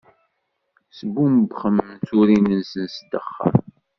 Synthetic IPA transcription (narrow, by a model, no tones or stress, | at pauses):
səbuməbχəmnt͡suɾinənsənsd̪əχːə̰ɾ